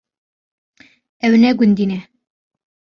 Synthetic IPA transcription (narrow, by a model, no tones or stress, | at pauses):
æwnæɡʉnd̪inæ